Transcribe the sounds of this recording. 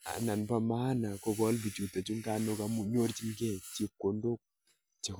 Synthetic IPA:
a̰˨na˨npa˨ma˦na˨kɔ˨ɡɔ˦lbi˨t͡ʃu˨t̪a˨t͡ʃu˦ŋɡa˦no˦ka˨mu˨ɲo˦ɾt͡ʃi˦ŋɡɛ˦˨t͡ʃi˦kːo˨ndo˦k̚ | t͡ʃe˨˦k

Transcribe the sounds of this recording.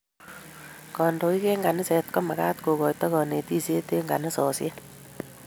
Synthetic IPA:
kɔ˨ndo˨i˦kɛ˦ŋɡa˨nɪ˦sɛ˨t̚kɔ˦ma˨ka˦tko˨kɔː˨jtɔ˦kɔ˨ne˨ti˦se˦te˦ŋɡa˨nɪ˦sɔː˨sjɛ˦

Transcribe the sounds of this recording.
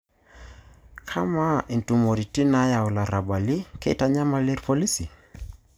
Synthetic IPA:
kʰa˦ma˦i˨ntu˨mo˨ɾi˨ti˦na˦ja˨u˨la˨ɾa˨ba˨li˦ke˦ta˦ɲa˦ma˦le˦ɾpɔ˦li˦si˨

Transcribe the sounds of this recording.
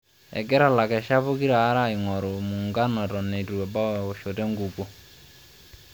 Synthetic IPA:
ɛ̰˨ɡɛ˦ɾa˨la˨kɛ˨ʃa˦βo˦ki˦ɾaː˨˦ɾa˦˨i˨ŋɔ˨ɾo˨mu˨ŋɡa˦nɔ˨tɔ˨ne˨tu˨wɛ˨ba˦wo˨ʃo˨tɛ˦ŋɡu˨ɡo˨

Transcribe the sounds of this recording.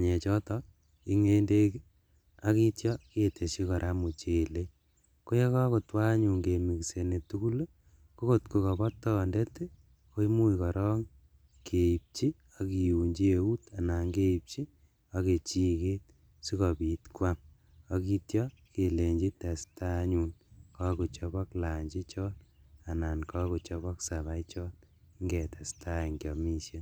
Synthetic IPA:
aɲɛ˨t͡ʃɔ˦tɔ | i˦ŋe˦nde˦k | a˦ki˦tjɔ˦kete˨ʃi˦kɔ˨ɾʔamu˨t͡ʃe˨le˦ | ko˦je˦kɔ˦ko˨twa˦ɲu˨ŋɡe˨mi˨kse˨ne˨tu˦ku˦l | ko˦ko˦tku˧kɔ˨bɔ˦tːɔndɛ˦te˦ | ko˦i˦mu˦ikɔ˨ɾɔ˦ŋ | kʰe˨i˨p̚t͡ʃi˦ | ɔ˨ki˨ju˨ɲd͡ʒi˦e˨u˦ta˨na˨ŋɡe˦ip̚t͡ʃi˦ | ɔke˨t͡ʃi˦ke˦t̚ | si˦kɔ˨bi˨tkwa˦ŋ | ɔ˦ki˦tjɔ˦ | ke˨le˨ɲd͡ʒi˦tɛ˨sta˦ɲuːnkɔ˦ku˨t͡ʃɔ˦bɔ˦kla˨ɲd͡ʒi˦t͡ʃɔ˦na˨na˨nkɔ˦ku˨t͡ʃɔ˧bɔ˦ksa˨βa˨it͡ʃɔ˦t | ŋɡɛ˨tɛ˨stʰa˦ŋɡjɔ˨mi˦ʃje˦n

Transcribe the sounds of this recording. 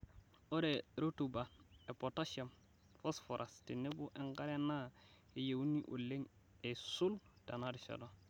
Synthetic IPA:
o˦ɾe˨ɾo˦tu˨ba˨e˨pota˦ʃa˨m | fo˦sfo˨ɾʔa˨sti˨ne˦bu˦ʔe˦ŋɡa˦ɾe˦na˦ | e˦je˨wu˦nːi˦ʔṵ˨lːe˦ŋ | e˨su˦lta˨na˦di˨ʃa̰˨do˨

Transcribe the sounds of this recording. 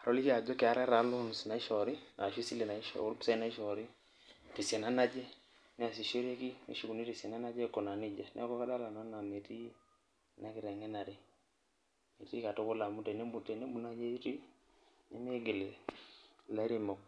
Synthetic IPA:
a˨ɾɔ˦li˦ka˨d͡ʒɔ˦ke˨a˨ɾɛ˦ɾa˨˦lʊ˦n˨sna˨i˦ʃɔ˨ɾɪ˦a˨ʃi˦si˦le˨na˨i˦ʃɔ̰˨ʊ˦lpi̥˦sa˦i˦na˦i˦ʃɔ˨ɾi˦ | te˨sɛ˨na˦na˦d͡ʒe˦ | nɪ˦a˨si˨ʃe˦ɾe˦ki˦nḛ˨˦ʃu˨ku˨ni˦ti˨sjɛ˨na˦na˦d͡ʒe˦kɔ˨na˨nɪ˦d͡ʒa˦nɛ̰˦a˦kɔ˦ka˦da˦la˨nɔ˦na˨me˨ti˦ | na˦kɪ˨ɾɛ˨ŋɛ˦na˨ɾɪ˦ | me˨ti˦ka˨to˦kʊ˦la˨mu˦tɛ˨ne˦mu˨te˨ne˦mu˨na˦d͡ʒe˦i˦ti˦ | nɪ˦me˦ɡɪ˨le˨ | la˦i˦ɾi˦mɔ˨k̚

